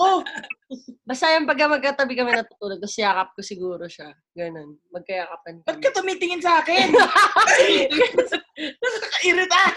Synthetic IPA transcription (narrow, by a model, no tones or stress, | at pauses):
ʔo | bɐst̪ajʊŋpɐɡ̚kɐmɐɡ̚kɐt̪ɐbɪkɐmɛnɐt̪ʊt̪uːloɡ̚t̪ɐsɪjaːkɐp̚kosɪɡuːɾoʃa | ɡɐno̞n | mɐɡ̚kɐjaːkɐp̚ɐnpɐɡ̚kɐt̪ʊmiːt̪ɪŋɪnsɐʔaːkɪn | sɐkɐʔiɾɪt̪a